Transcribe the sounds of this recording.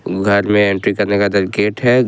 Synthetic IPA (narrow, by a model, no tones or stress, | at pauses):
ɡʱɐɾmẽẽɳʈɾikɐɾnekad̪ɐlkeːʈɦɛ